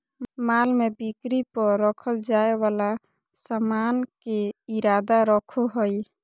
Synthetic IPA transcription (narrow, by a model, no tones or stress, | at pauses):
malmebikɾipəɾːəkʰəld͡ʒaewala | səmankeiɾad̪aɾəkʰoɦəj